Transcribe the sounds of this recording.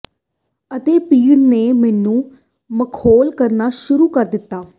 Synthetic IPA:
ət̪eːpiːɽneːmɛːnũː | məkʰoːlkəɾnaːʃʊɾuːkəɾd̪ɪt̪ːaː

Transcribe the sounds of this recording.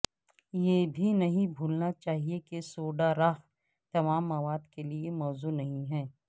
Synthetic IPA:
jeːbʱinɐɦĩbʱuːlnat͡ʃaːɦiekesoːɖaɾaɦ | t̪ɐmaːmːɐʋaːd̪keliemɔːzunɐɦĩɦɛː

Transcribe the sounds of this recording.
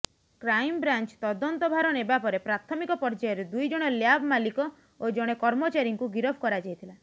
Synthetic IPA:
kɾajmbɾant͡ʃt̪ɔd̪ɔnt̪ɔbʱaɾɔnebapɔɾepɾat̪ʰɔmikɔpɔɾd͡ʒajɔɾed̪ujd͡ʒɔɽ̃ɔljabmalikɔ | od͡ʒɔɽ̃ekɔɾmɔt͡ʃaɾiŋkuɡiɾɔbʰkɔɾad͡ʒajt̪ʰila

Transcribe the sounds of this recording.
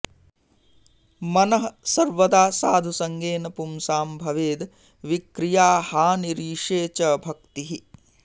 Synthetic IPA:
mɐnɐɦɐsɐɾʋɐd̪aːsaːd̪ʱusɐŋɡeːnɐpumsaːmbʱɐʋeːd̪ | ʋikɾijaːhaːniɾiːʂeːt͡ʃɐbʱɐk̚t̪iɦi

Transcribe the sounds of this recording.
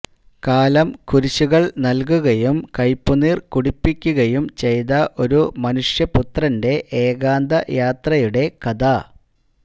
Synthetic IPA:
kaːlɐmkuɾiɕuɣɐɭnɐlk̬uɣɐjumkɐjpːuniːrkuɽipːikʲːuɣɐjumt͡ɕe̞jt̪ɐʔo̞ɾumɐnuʂjɐput̪rɐnde̞ʔeːɣaːnd̪ɐjaːt̪rɐjuɽe̞kɐd̪a

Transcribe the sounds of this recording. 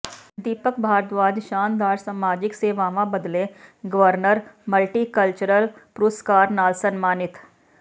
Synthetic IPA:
d̪iːpəkbʱaːɾt̪ʋaːd͡ʒ̪ʃaːnd̪aːɾsaːmaːd͡ʒɪkseːʋaːʋãbəd̪lẽɡəʋəɾnəɾməlʈiːkəlt͡ʃəɾəlpɾoːskaːɾnaːlsənmaːnɪt̪

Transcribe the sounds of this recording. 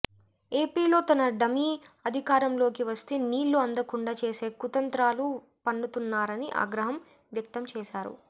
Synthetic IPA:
e̞ːpiːlo̞ːt̪ɐnɐɖɐmiɐd̪ʱikaːɾɐmlo̞ːkiʋɐst̪eːniːɭːuɐnd̪ɐkuɳɖat͡ʃe̞ːse̞ːkut̪ɐnt̪ɾaːlu | pɐɳːut̪unːaːɾɐniʔa̰ːɡɾɐɦɐm | ʋjɐk̚t̪ɐmt͡ʃɛːʃaːɾṵ

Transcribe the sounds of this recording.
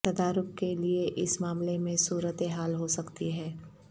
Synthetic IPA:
t̪ɐd̪aːɾʊkkelieʔɪsmaːmlemẽsuːɾət̪eɦaːlɦosɐkt̪iɦɛː

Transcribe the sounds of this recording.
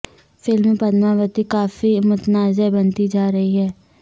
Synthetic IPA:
fɪlmːẽpɐd̪maʋət̪ikaːfimʊt̪naːzebɐnt̪id͡ʒaːɾɐɦiɦɛː

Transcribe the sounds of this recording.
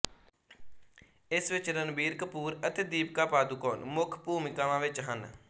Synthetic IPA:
ɪsʋɪt͡ʃɾənbiːɾkəpuːɾət̪eːd̪iːp̚kaːpaːd̪uːkoːnmʊkʰpuːmɪkaːʋãːʋɪt͡ʃɦən

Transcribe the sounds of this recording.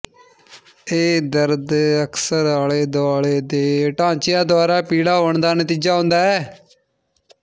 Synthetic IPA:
eːd̪əɾd̪əkʰsəɾaːleːd̪oaːleːd̪eːʈãːt͡ʃɪjãːd̪ʊaːɾaːpiːɽaːɦoːɳd̪aːnət̪iːd͡ʒaːɦʊ̃ːnd̪aːɛː

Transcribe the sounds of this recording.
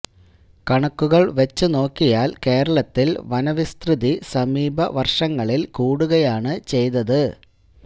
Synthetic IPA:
kɐɳɐkːuɣɐɭʋe̞t͡ɕːɨno̞ːkːijaːlke̞ːɾɐɭɐt̪ːilʋɐnɐʋist̪rɨðisɐmiːbʱɐʋɐrʂɐŋːɐɭilkuːɽuɣɐjaːɳɨt͡ɕe̞jt̪ɐðɨ

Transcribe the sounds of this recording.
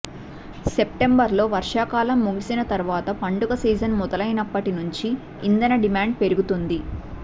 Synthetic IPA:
se̞pʈe̞mbɐɾlo̞ːʋɐɾʂaːkaːlɐmːuɡisinɐt̪ɐɾʋaːt̪ɐpɐɳɖuɡɐsiːd͡ʒɐnmɔd̪ɐlɐjnɐpːɐʈinuɲt͡ʃiː | nd̪ɐnɐɖimaːɳɖ̚pe̞ɾuɡut̪und̪i

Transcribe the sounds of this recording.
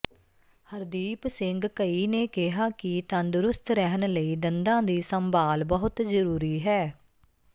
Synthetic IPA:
həɾd̪iːpsɪ̃ŋɡkəiːneːkɪɦaːkit̪ãnd̪ʊɾʊst̪ʰɾɛɦənləiːd̪ənd̪ãːd̪iːsəmbaːlbəɦʊt̪zəɾuːɾiːɦɛː

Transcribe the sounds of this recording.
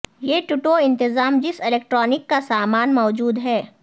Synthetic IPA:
jeːʈuʈoɪ̃nt̪ɪzaːmd͡ʒɪsɪleːk̚ʈɾɔːnɪkːasaːmaːnmɔːd͡ʒuːd̪ɦɛː

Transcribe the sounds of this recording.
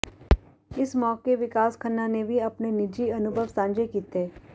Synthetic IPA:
ɪsmɔːkeʋɪkaːskʰənːanebʱiɐpnenɪd͡ʒiɐnʊbʱəʋsãːɲd͡ʒekiːt̪eː

